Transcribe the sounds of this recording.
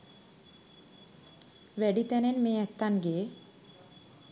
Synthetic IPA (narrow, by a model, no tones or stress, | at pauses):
ʋɛɖit̪ɛnenmeːɛt̪ːanɡeː